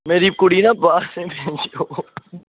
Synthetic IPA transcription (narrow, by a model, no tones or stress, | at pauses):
meːɾiːkʊɽiːnapaːsẽbʱẽːd͡ʒo